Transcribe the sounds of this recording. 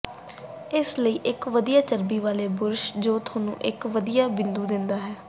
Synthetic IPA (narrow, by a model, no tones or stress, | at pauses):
ɪsləiːʔɪkʋəd̪ijaːt͡ʃəɾbiːʋaːleːbʊɾʃd͡ʒoːt̪ʰoːnṵ̃ːʔɪkʋəd̪ijaːbɪnd̪uːd̪ɪnd̪aːɦɛː